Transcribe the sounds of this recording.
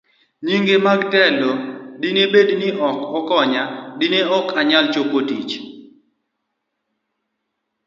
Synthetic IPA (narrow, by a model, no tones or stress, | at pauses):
ɲiŋɡemaɡtɛlodinebednɪʔɔkɔkɔɲadineɔkʰaɲalt͡ʃokotḭt͡ʃ